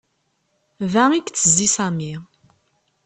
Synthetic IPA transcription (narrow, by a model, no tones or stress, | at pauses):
væikt͡sːəzːisami